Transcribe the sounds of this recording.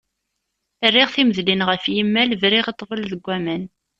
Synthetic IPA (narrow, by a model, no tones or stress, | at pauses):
ərːiʁθiməðlinʁəfjimːælvɾiʁit̪ˤːvəlðəɡʷːæmæn